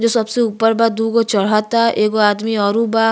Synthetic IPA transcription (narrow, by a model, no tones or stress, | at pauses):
d͡ʒoːsɐbseuːpəɾbad̪uːkot͡ʃɐɽ̤ɦat̪aʔeːkoaːd̪miɔːɾũbaː